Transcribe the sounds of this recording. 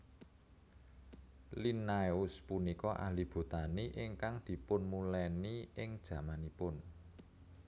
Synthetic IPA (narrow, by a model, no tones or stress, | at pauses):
linaʊspunikɔʔa̰lib̥ṳt̪aniʔɪŋkaŋd̪̥i̤pʊnmulɛniɪŋd̥ʒ̥ä̤manipʊn